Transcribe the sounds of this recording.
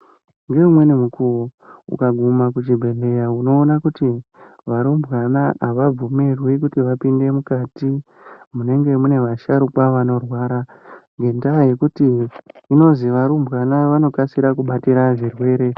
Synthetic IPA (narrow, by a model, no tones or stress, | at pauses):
ŋɡe̞umwe̞nemukuwoṵkaɡʱumak̬ut͡ʃibʱe̞ɮe̞jauno̞ːnakutiʋaɾumbʱwanaaʋab͡vumirwikutiʋapinde̞mukaːti | mune̞ŋɡe̞mune̞ʋaʃaɾukwaʋano̞rwaːɾaŋɡe̞ndaje̞kutiːno̞ziʋaɾumbwanaʋano̞kasiɾakuɓatiɾaʐirwe̞ːɾe̞